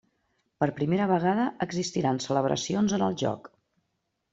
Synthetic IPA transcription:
pəɾpɾimeɾəβ̞əɣ̞aðəʔəɡzist̪iɾansələβ̞ɾʔə̰sionzənəlˠʒɔ̰k

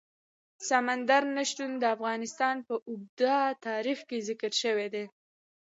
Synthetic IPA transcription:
samand̪aɾnaʃt̪und̪əafɣɑnɪst̪ɑnpəʔʊb̚d̪at̪ɑɾixkezɪkəɾʃəwed̪e

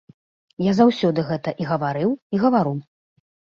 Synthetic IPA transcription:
jazawsʲɔd̪ɨɣɛt̪ɐʔiɣɐvaɾɨwiɣɐvaɾu

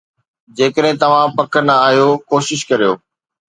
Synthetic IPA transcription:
d͡ʑeːkəɗɦɪ̃t̪ɐʋ̤ãpɐkʰənəaːɦijokoːʃɪʃkɐɾijoː

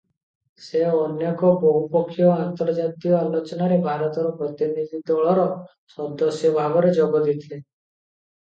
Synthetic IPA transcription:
seɔnjekɔbʱɔɦupɔkʰːjɔant̪əɾd͡ʒat̪ijɔalɔt͡ʃnaɾebʱaɾɔt̪ɔɾɔpɾət̪inid̪id̪ɔɭɔɾɔ | sɔd̪ɔsjɔbʱabɔɾed͡ʒɔɡɔd̪it̪ʰle

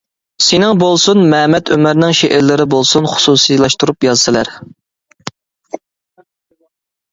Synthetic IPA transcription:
sɪnɪŋbolˠsunmɛmɛt̪ʰømɪɾnɪŋʃeʔɪɾlɪɾɪbolˠsunχʊ̥susilˠɑʃt̪uɾupjɑzsɨlæ̰ɾ

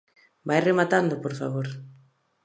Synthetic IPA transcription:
bajremat̪and̪opoɾfa̰β̞oɾ

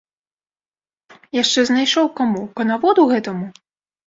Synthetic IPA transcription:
jaʂt͡ʂɛznajʂɔwkamupɐnavɔd̪uɣɛt̪ɐmu

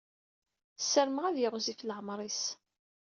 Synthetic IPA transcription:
sːəɾməʁæðjɪʁzifləʕəmɾˤis

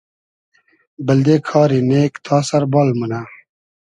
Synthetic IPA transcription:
bɐld̪eːkʰɑːɾineːkt̪ʰɑːsɐɾbɑːlmuna

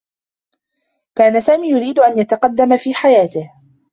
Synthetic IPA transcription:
kaːnasaːmiːjʊɾiːd̪ʊʔanjat̪aqɑd̪ːamfiːħajaːt̪ɪh

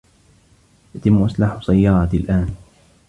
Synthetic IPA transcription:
jat̪ɪmːʔasˤlaħsajːɑːɾˤɑt̪lʔaːn

